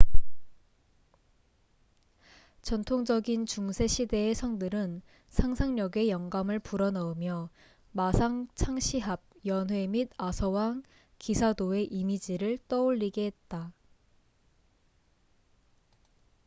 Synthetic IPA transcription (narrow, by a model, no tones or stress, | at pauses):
t͡ɕʌntʰoŋd͡ʑʌɡint͡ɕuŋsʰe̞ɕʰide̞ːsʰʌŋdɯɾɯn | sʰaŋsʰaŋɲʌɡe̞jʌŋɡamɯɭpuɾʌnʌɯmjʌ | masʰaŋt͡ɕʰaŋɕʰiɦab̚jʌnɦwe̞midasʰʌwaŋ | kisʰadoe̞ʔimid͡ʑiɾɯɭt͈ʌoʎːiɡeɦet̚t͈a